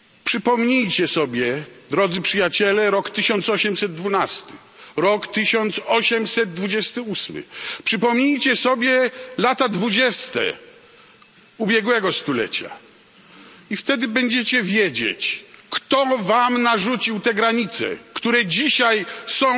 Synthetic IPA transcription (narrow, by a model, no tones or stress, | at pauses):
pʂɘpɔmɲijt͡ɕɛsɔbʲjɛd̪ɾɔd̪zɘpʂɘjat͡ɕɛlɛɾɔkt̪ɘɕɔnt̪sɔɕɛmsɛd̪̚ːvunast̪ɘ̥ | ɾɔkt̪ɘɕɔnt̪sɔɕɛmsɛd̪̚ːvud͡ʑɛst̪ɘusmɘ̰pʂɘpɔmɲijt͡ɕɛsɔbʲjɛlat̪ad̪vud͡ʑɛst̪ɛ̰ | ubʲjɛɡwɛɡɔst̪ulɛ̰t͡ɕa̰ | ift̪ɛd̪ɘbɛɲd͡ʑet͡ɕɛvʲjed͡ʑḛt͡ɕkt̪ɔvamnaʐut͡ɕiwt̪ɛɡɾaɲit̪sɛ̰kt̪uɾɛd͡ʑiɕajsɔ̃w̃